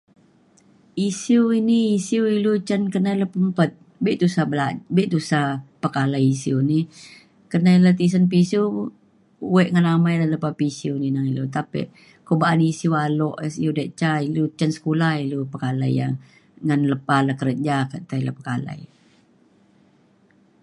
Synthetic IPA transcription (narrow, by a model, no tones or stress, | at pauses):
isiwiniːsiwilut͡ʃankənailəpəmpət̪̚ | biʔt̪usabəlabɛʔt̪usapəkalajisiuwni | kənailət̪is̬anp̬isiu | wɛʔŋanamajlələpapisiuninaŋilut̪apḭʔ | kobaʔanisiuwalɔʔsiudaʔt͡ʃailut͡ʃansə̥kulailupəkala̰ja̰ŋ | ŋanləpaləkəɾəd͡ʒakət̪ailəpəkala̰i